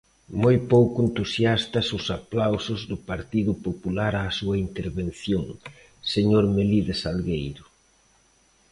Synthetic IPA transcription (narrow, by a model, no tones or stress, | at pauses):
mojpowkʊent̪usjast̪ɐsʊsaplawsʊzðʊpaɾt̪iðʊpopulaɾasuɐint̪eɾβen̟θjoŋ | seɲoɾmeliðesalɣejɾʊ